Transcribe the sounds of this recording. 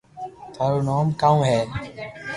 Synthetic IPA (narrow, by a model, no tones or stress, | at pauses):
t̪ʰaːɾunɔːmkaũɦɛː